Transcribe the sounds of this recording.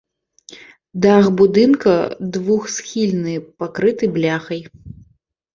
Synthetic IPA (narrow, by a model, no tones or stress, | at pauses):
d̪axbud̪ɨnkɐd̪vuxsxʲilʲnɨpakɾɨt̪ɨblʲaxɐj